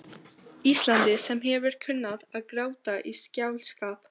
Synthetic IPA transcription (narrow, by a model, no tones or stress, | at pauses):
ist̪lant̪ɪsɛmɦɛvʏɾ̥cʰʏnːaðaðkɾaːwt̪aʔiscaːwlskaːp